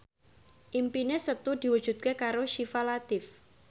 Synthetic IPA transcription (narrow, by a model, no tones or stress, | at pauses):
ʔimpinesət̪ud̪̥i̤wud̥ʒ̥ṳt̪̚kekaɾoʃifalat̪ɪf